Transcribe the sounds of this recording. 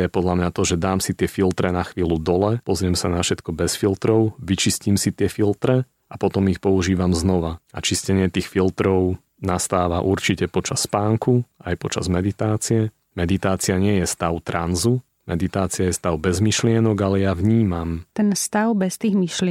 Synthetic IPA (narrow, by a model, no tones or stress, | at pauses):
jɛpɔd̪lamɲat̪ɔʒɛd̪aːmsit̪ɪɛfilt̪ɾɛnaxʋiːlud̪ɔlɛpɔzɾɪɛmsanafʃɛt̪kɔbɛsfilt̪ɾɔʊʋit͡ʃiscimsit̪ɪɛfilt̪ɾɛ | apɔt̪ɔmixpɔuʒiːʋamznɔʋaa̰t͡ʃiscɛɲɪɛt̪iːxfilt̪ɾɔʊ | nast̪aːʋaʔuɾt͡ʃicɛpɔt͡ʃasːpaːŋkuajpɔt͡ʃa̰zmɛd̪it̪aːt͡siɛ | mɛd̪it̪aːt͡siaɲɪɛjɛst̪aʊt̪ɾanzu | mɛd̪it̪aːt͡siajɛst̪aʊbɛzmiʃlɪɛnɔɡalɛjavɲiːmamt̪ɛnst̪aʊbɛst̪iːɣmiʃlɪ